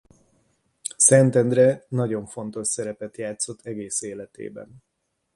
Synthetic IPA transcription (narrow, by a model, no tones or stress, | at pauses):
sɛnt̪ɛnd̪rɛnɒɟo̞ɱfo̞nt̪o̞ʃsɛɾɛpɛt̪jaːt̪so̞t̪ʰːɛɡeːseːlɛt̪ḛːbɛ̰n